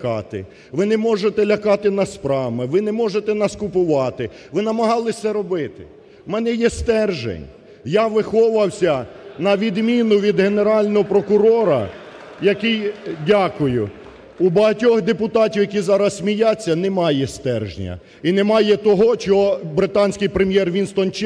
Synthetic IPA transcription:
kɑt̪ɪ̰ | ʋɪnɛmɔʒet̪ɛlʲɐkɑt̪ɪnɐspɾɑmɪʋɪnɛmɔʒet̪ɛnɐskʊpʊʋɑt̪ɪ | ʋɪnɐmɐɦɑlˠɪsʲɐɾɔbɪt̪ɪ̰ | mɛnɛjɛst̪ɛrʒḛnʲ | jaʋɪxɔʋɐwsʲɐnɐʋʲid̪mʲinʊʋʲid̪ɦene̞ɾɑlʲnɔɦɔpɾɔkʊɾɔɾɐ̰ | jɐkɪjdʲakʊjʊ | ubɐɦɐtʲɔxd̪epʊt̪ɑtʲiwjɐkʲizɑɾɐssʲmʲijat͡sʲːɐnɛmɑjɛst̪ɛrʒnʲɐ̰ | inemɑjɛt̪ɔɦɔt͡ʃɔɦɔbɾɪt̪ɑnʲsʲkɪjpɾemjɛrʋʲinst̪ɔnt͡ʃ

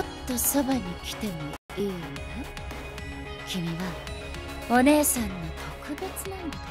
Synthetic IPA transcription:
ot̪ːo̞so̞baɲ̟ikʲi̥t̪e̞mo̞ | iːnona | kʲimʲiɡa | o̞ne̞ːsãnːo̞t̪ʰo̞kɯ̟be̞t͡sɨnẽn

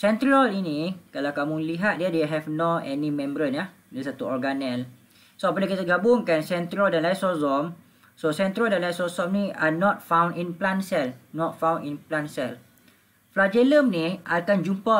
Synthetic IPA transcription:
sɛ̃nt̪ɾalinĩkalawkamuliɦat̪̚diadeɦɛfnoɛnĩmɛ̃mbəɾəna | dəsat̪uɔrɡanɛl | soapənakit̪aɡabʊŋkansɛ̃nt̪ɾaldãnlajsɔsɔm | sosɛnt̪ɾaldãnlajsɔsɔmnĩanɔt̪̚fãw̃ndinplansɛlnɔt̚fãw̃ninplansɛl | flad͡ʒɛləmnĩʔakand͡ʒumpa

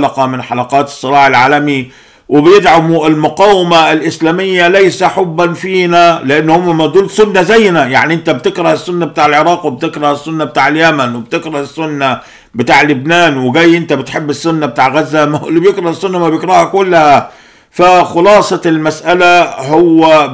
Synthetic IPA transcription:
lɑqɑmɪnħalɑqɑːt̪ɨ̥sˤːɨlɑːħɪlʕaːlami | wɪbjɪd̪ʕamɪlmʊqɑːwɪmaɪlʔɪslæːmɪjːalajsaħʊbːanfiːnalɪʔanːhʊmːamad̪uːlsʊnːazajːnaja̰ʕniʔɪnt̪abt̪ɪkɾˤɑhɪsːʊnːabɪt̪aːʕɪlʕɪɾˤɑːqwɪb̚t̪ɪkɾˤɑhɪsːʊnːabɪt̪aːʕɪljamanwɪbt̪ɪkɾˤɑhɪsːʊnːa | bɪt̪aːʕlɪbnaːnwɪɡaːjːʔɪnt̪abɪt̪ħɪbːɪsːʊnːabɪt̪aːʕɣazːamlːibjɪkɾˤɑhɪsːʊnːamabjɪkɾˤɑhakʊlːha | faxʊlɑːsˤɑlmasʔalahʊwːa

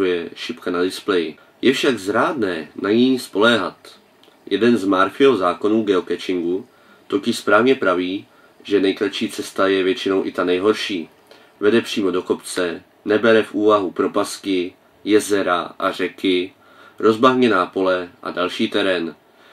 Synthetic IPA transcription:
ujɛʃɪpkanadɪsplɛjɪ | jɛfʃaɡzɾaːdnɛːnaɲispo̞lɛːɦat̪ | jɛdɛnzmaɾfɪozaːko̞nuːɡɛokɛt͡ʃɪŋɡu | t̪o̞cɪʃspɾaːvɲɛpɾaviː | ʒɛnɛjklat̪ʃiːt͡sɛst̪ajɛvjɛt͡ʃɪno̞wʔɪt̪anɛjɦo̞ɾʃiː | vɛdɛpr̝̥iːmo̞do̞ko̞pt͡sɛ | nɛbɛɾɛfʔuːvaɦupɾo̞paskɪ | jɛzɛɾaʔa̰r̝ɛkɪ | ɾo̞zbaɦɲɛnaːpo̞lɛʔa̰dalʃiːt̪ɛɾɛn

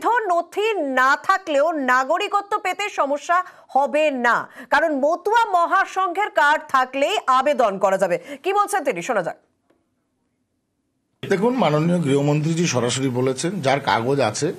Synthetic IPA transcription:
d̪ʱonot̪ʰinat̪ʰakleonaɡoɾikot̪ːopet̪eʃɔmoʃːa | hɔbena̰kaɾonmot̪uamɔɦaʃɔŋɡʱeɾkaɖ̚t̪ʰaklejʔabed̪onkɔɾad͡ʑabekibolt͡ɕʰent̪̬iniʃonad͡ʑa̰k | et̪ekʰunmanonijoɡɾiɦomont̪ɾid͡ʑiʃɔɾaʃoɾibolet͡ɕʰend͡ʑaɾka̰ɡod͡ʑa̰t͡ɕʰe

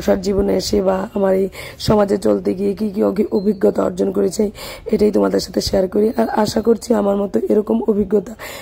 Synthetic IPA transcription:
ʃaɾd͡ʑiboneeʃebaamaɾej | ʃɔmad͡ʑet͡ɕolt̪eɡiek̬ikiiʔobʱiɡːɔt̪aɔ̰ɾd͡ʑonkoɾet͡ɕʰeeʈajt̪omad̪eɾʃat̪ʰeʃeaɾkoɾiʔaɾaʃakoɾt͡ɕʰiamaɾmɔt̪oʔeɾɔkomobʱiɡːɔt̪a

